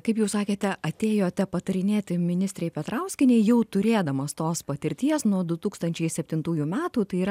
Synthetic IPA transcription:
kɐɪpjɛʊsɑːkʲeːt̪ʲɛɐt̪ʲeːjoːt̪ʲɛpɐt̪ɐɾʲɪnʲeːt̪ʲɪmʲɪnʲɪsʲt̪ʲɾʲɛɪpʲɛt̪ɾɐʊsʲkʲɪnʲɛɪjɛʊt̪ʊɾʲeːd̪ɐmɐst̪oːspɐt̪ʲɪɾʲt̪ʲiɛsnuɔd̪ʊt̪uːkst̪ɐnʲt͡ʃʲɛɪsʲɛpʲt̪ʲɪnt̪uːjumʲæːt̪uːt̪ɐɪiːɾɐ

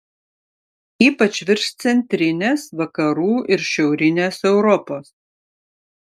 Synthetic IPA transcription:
iːpɐt͡ʃʲʋʲɪɾʃt̪sʲɛnʲt̪ʲɾʲɪnʲeːsʋɐkɐɾuːʔɪɾʃʲɛʊɾʲɪnʲeːsɛʊɾɔpoːs

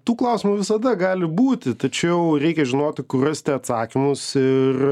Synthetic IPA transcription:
t̪uːklˠɐˑʊsʲɪmuːʋʲɪsɐd̪ɐɡɑːlʲɪbuːt̪ʲɪt̪ɐt͡ʃʲɛʊɾʲɛɪkʲɛʒʲɪnoːt̪ʲɪkʊrɐst̪ʲɛɐt̪sɑːkʲɪmʊsɪr

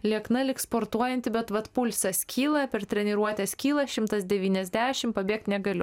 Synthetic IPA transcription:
lʲiɛknɐlʲɪkspoːɾt̪uɔjɛnʲt̪ʲɪbʲɛt̪ʋɐt̪pʊlʲsʲɛskʲiːlˠɐpʲɛɾt̪ʲɾʲɛnʲɪɾuɔt̪ʲɛskʲiːlˠɐʃʲɪmt̪ɐsd̪ʲɛʋʲiːnʲɛzʲd̪ʲæːʃʲɪmpɐbʲeːk̚t̪ʲnʲɛɡɐlʲʊ

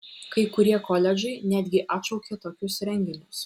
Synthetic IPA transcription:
kɐɪkʊɾʲiɛkɔːlʲɛd͡ʒɐɪnʲæːd̪ʲɡʲɪʔɑːt̪ʃɒʊkʲeːt̪oːkʲʊsɾʲɛŋʲɡʲɪnʲʊs

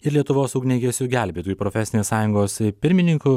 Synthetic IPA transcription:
ɪɾlʲiɛt̪ʊʋoːsɐʊɡʲnʲeːɡʲesʲʊɡʲæˑlʲbʲeːt̪uːjuːpɾoːfʲɛsʲɪnʲeːssɑːjʊŋɡoːspʲɪɾʲmʲɪnʲɪŋkʊ

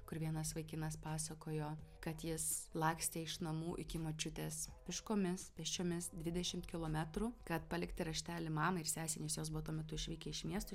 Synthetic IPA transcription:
kʊɾʋʲiɛnɐsʋɐɪkʲɪnɐspɑːsɐkoːjoːkɐt̪jɪslˠɑːksʲt̪ʲeɪʃnɐmuːʔɪkʲɪmot͡ʃʲʊt̪ʲeːspʲɪʃkoːmʲɪspʲɛʃʲt͡ʃʲoːmʲɪsd̪ʲʋʲɪd̪ʲɛʃʲɪmt̪kʲɪlˠoːmʲæt̪ɾukɐt̪pɐlʲɪkt̪ʲɪɾɐʃʲt̪ʲæːlʲɪmɑːmɐɪrsʲæːsʲɛnʲeːsjoːsbʊʋɔt̪uɔmʲɛt̪ʊɪʃʲʋʲiːkʲɛɪʃmʲiɛst̪ʊ

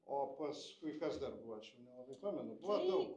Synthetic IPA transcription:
oːpɐskʊɪkɐsd̪ɐrbʊʋɐt͡ʃʲɛʊnʲɛlˠɐbɐɪpoːmʲɛnʊbʊʋɐd̪ɐʊk

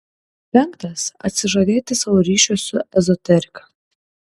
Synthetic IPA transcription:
pʲɛŋkt̪ɐsɐ̰t̪ʲsʲɪʒɐd̪ʲeːt̪ʲɪsɑʋoːɾʲiːʃʲʊsʊɛzɔt̪ʲɛɾʲɪkɐ

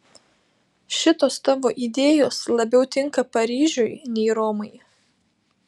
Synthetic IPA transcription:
ʃʲɪt̪oːst̪ɑʋoːʔid̪ʲeːjoːslˠɐbʲɛʊt̪ʲɪŋkɐpɐɾʲiːʒʲʊɪnʲɛɪɾoːmɐɪ

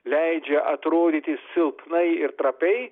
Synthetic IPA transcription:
lʲɛɪd͡ʒʲɛʔɐt̪ɾoːd̪ʲiːt̪ʲɪssʲɪlˠpnɐɪɪɾt̪ɾɐpʲɛɪ

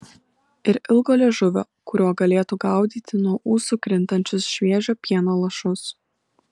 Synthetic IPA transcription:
ɪɾɪlˠɡoːlʲɛʒʊʋʲo̰ː | kʊɾʲoːɡɐlʲeːt̪uːɡɐˑʊd̪ʲiːt̪ʲɪnuɔʔuːsukɾʲɪnt̪ɐnʲt͡ʃʲʊsʃʲʋʲeɛʒʲoːpʲiɛnoːlˠɐʃʊs

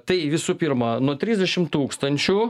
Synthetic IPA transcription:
t̪ɐɪʋʲɪsuːpʲɪɾmɐnuɔt̪ʲɾʲɪzʲd̪ʲɛʃʲɪmt̪uːkst̪ɐnʲt͡ʃʲʊ

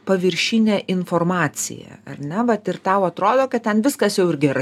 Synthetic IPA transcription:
pɐʋʲɪɾʲʃʲinʲæʔɪnfoːrmɑːt͡ssʲɪ̰jɛ̰ːɐ̰rʲnʲɛʋɐt̪ɪrt̪ɑʊɐt̪ɾoːd̪oːkɐt̪̚tʲɛnʋʲɪskɐsjɛʊɪɾɡʲɛɾɐ

